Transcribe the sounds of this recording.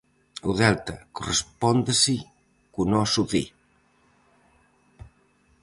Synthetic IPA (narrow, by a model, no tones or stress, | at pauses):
uðɛlt̪ɐkurespɔnd̪esi | kunɔsuðḭ